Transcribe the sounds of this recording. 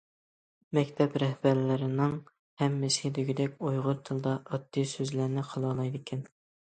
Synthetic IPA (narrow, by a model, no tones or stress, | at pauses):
mɛkʲt̪ʰɛpɾɛhbæɾlɪɾɪnɪŋ | hɛmːɪshɪd̪ɪɡʲid̪ɛkʲojʁʊɾt̪ʰɨlˠd̪ɑʔːd̪ːisøzlæɾnɪqʰɑlˠɑlˠɑjd̪ɪkʲʰɛn